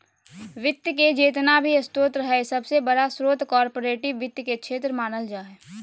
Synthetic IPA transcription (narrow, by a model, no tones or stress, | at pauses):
ʋɪt̪jked͡ʒeːt̪nabʱiɐst̪oːt̪ɾəɦɛsɐbsebəɽasɾoːt̪kɔːɾpoːɾeːʈɪʋːɪt̪jkekʃʰeːt̪ɾəmaːnəld͡ʒaːɦɛː